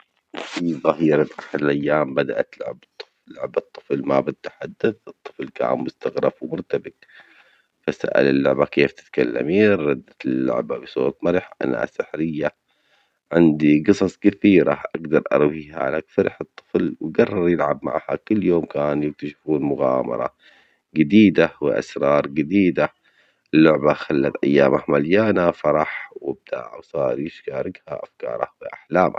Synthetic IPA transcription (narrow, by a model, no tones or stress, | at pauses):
fiðˤɑɦiːɾanʔaħad̪ɪlʔajːaːmbad̪aʔat̪lʊ̰ʕa̰bt̪ˤːɨ̥flːʊ̰ʕbɨt̪ˤːɨ̥flmabɪd̪̚t̪ːḁħad̪ːaθʔɨt̪ˤːɨ̥flka̰ːnmʊst̪aɣɾɑfwmʊɾt̪abɪt̪̚ | fasa̰ʔa̰lɪlːʊʕbakeːft̪ɪ̥t̪kalːa̰miːˤɑd̪ːaɪlːʊ̰ʕba̰bɪsˤo̰ːt̪ˤmaɾħʔa̰naa̰sːɪħɾɪjːa | ʕɪnd̪iɡɨsˤɑsˤkaθiːɾa̰ʔaɡd̪ɑɾˤʔɑ̰ɾˤwiːha̰ʕa̰lakfaɾɪħɨt̪ˤːɨ̥flwɡɑrˤːɑɾˤjɪlʕabma̰ʕha̰kʊlːjoːmkaːnjɪk̚t̪aʃɪfuːnmʊɣa̰ːmɑ̰ɾˤɑ̰ | ɡɪd̪iːd̪awɪ̰ʔa̰sɾˤɑːɾˤɡɪd̪iːd̪a | ɪlːʊʕbaxalːat̪ʔajːaːmahmaljaːnafɑɾˤɑħwɪb̚d̪a̰ʕwsˤɑːɾˤjɪʃkaːɾɪɡha̰ʔafkɑ̰ːɾˤɑwɪʔaħlaːmʔa̰